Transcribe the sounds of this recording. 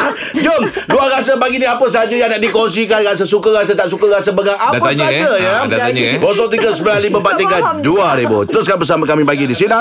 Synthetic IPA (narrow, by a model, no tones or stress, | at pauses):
d͡ʒoŋduaɣas̬əbaɡiniapəsad͡ʒajaŋnaʔ̚dikɔns̬ikanɣas̬əsukaɣas̬ət̪aʔsukəɣasəbəɡaŋʔadat̪aɲad͡ʒajadaaɲɡɔs̬ɔŋt̪̬iɡəsəbəlalimə̃pat̪ikanduaɾibot̪əɾʊs̬kabəs̬amakamibaɡidisina